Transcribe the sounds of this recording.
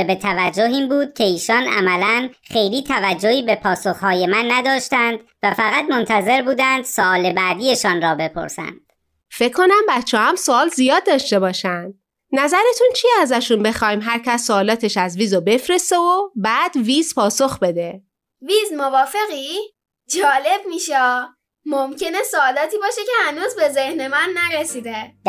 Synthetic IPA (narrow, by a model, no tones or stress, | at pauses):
be̞t̪ʰævæd͡ʒːoɦiːmbuːd̪̥̚cʰe̞iːʃɒːnæ̰mælænxe̞jliːt̪ʰævæd͡ʒːohiːbe̞pʰɒːsoxhɒːjemænːæd̪ɒːʃt̪ænd̪̥væfæɣæt̪mont̪ʰæze̞ɾbuːd̪ænd̪soɒːlebæːd̪ijeʃɒːnɾɒːbe̞pʰo̰ɾsæ̰nd̪̥ | fe̞ckʰːo̞næmbæt̪t͡ʃʰːɒːhæmsoɒːlzijɒːd̪̚ːɒːʃt̪e̞bɒːʃænd̪̥̚ | næzæɾe̞t̪ʰunt͡ʃʰiæzæʃunbe̞xɒːjimɦæɾcʰæsːoɒːlɒːt̪ʰe̞ʃæzviːzobe̞fɾe̞st̪eobæːd̪viːzpʰɒːso̞xbe̞d̪e̞ | viːzmovɒːfe̞ɣiː | d͡ʒɒːle̞b̚miːʃɒː | momcʰe̞nesoɒːlɒːt̪ʰiːbɒːʃece̞hænuːzbe̞ze̞hne̞mænːæɾesiːd̪e